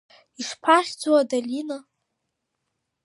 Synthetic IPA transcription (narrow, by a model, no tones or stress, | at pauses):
iʂpʰaχʲd͡zwadalʲina